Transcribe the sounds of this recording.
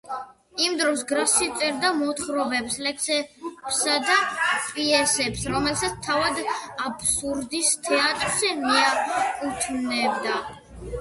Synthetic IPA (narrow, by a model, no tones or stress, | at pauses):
imd̪ɾɔsɡɾasit̪sʼɛɾd̪amɔt̪χɾɔbɛpslɛkʰsɛpsad̪apʼiɛsɛpsɾɔmɛlsat̪sʰt̪ʰavad̪apʰsuɾd̪ist̪ʰɛat̪ʼɾz̥ɛmiakʼut̪ʰnɛbd̪a